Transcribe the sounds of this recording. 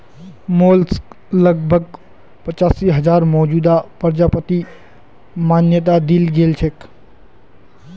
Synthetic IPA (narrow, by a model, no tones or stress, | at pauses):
molsk | ləɡ̚bʱəɡ̚ | pət͡ʃaːsiɦəd͡ʒaːɾmɔːd͡ʒuːd̪apəɾd͡ʒapət̪i | maːnjət̪̬ad̪ilɡelt͡ʃʰek